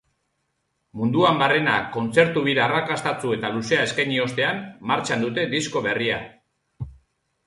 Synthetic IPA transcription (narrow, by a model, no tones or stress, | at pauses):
mund̪uambarena̰ko̞nt͡se̞ɾt̪uβiɾaarakast̪at͡sue̞t̪aluse̞ae̞skajɲio̞st̪e̞ammaɾt͡ʃand̪ut̪e̞d̪isko̞βe̞ria̰